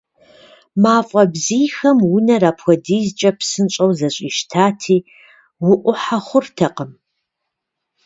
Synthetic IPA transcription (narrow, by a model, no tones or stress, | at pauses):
maːfʼɐbziːxɐmwʊnɐraːpxʷɔdiːzt͡ʃʼɐpʰsɨnɕʼɐwzɐɕʼiːʃtʰaːtʰiː | wʊʔʷʊħaχʷʊrtʰɐqəm